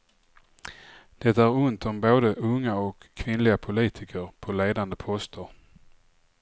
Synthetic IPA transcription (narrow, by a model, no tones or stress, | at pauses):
d̪̥ɛt̪ːaæɾʊnt̪ɔmboːd̪əʔɵŋːaɔkʰːvɪnlɪɡapʰʊliːt̪ʰɪkʰəɾpʰɔleːd̪and̪əpʰɔst̪əɾ